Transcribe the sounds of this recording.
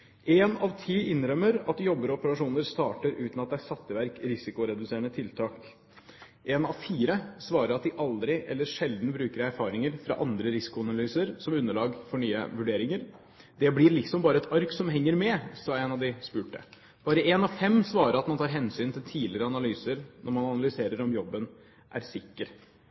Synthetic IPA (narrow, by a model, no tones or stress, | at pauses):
ɛnɑʋt̪ʰiːʔɪnɾœmːəɾɑt̪jɔbːəɾɔɔpəɾɑʂuːnəɾst̪ɑːʈəɾʉ̰ːt̪nɑt̪d̪ɛæsɑt̪ːəʋæɾkɾɪsɪkʊɾɛd̪ʉseːəɳət̪ʰɪlt̪ʰɑːk | ʔenɑʋfiːɾəsʋɑːɾəɾɑt̪d̪ɪʔɑld̪ɾɪʔɛ̰lːəʂɛld̪n̩bɾʉːkəɾæɾfɑːɾɪŋəɾfɾɑ̰ʔɑnd̪ɾəɾɪsɪ̥kʊɑnɑlyːsəɾsɔmʉnːəɭɑːɡfɔɳyːə̰ʋʉɖeːɾɪŋəɾ | d̪ɛblɪɾɭɪksɔmbɑːɾəɛt̪ʰɑɾksɔmɦɛŋːəɾmɛsɑːɛnɑʋd̪ɪspʉːʈə̰ | b̥ɑːɾəʔeːnɑʋfɛmːsʋɑːɾəɾɑt̪mɑnt̪ʰɑːɾɦɛnsyːnt̪ʰɪlt̪ʰiːlɪɾəɑnɑlyːsəɾnʔɔɾmɑnɑnɑlʏseːɾəɾɔmjɔbːən | ʔæ̰ɾsɪkːəɾ